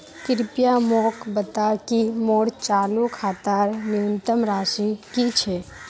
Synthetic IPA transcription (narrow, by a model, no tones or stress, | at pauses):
kɪɾpjamokbət̪akimoːɽt͡ʃaːlukʰaːt̪aɾnɪənt̪əmɾaːʃikit͡ʃʰɛ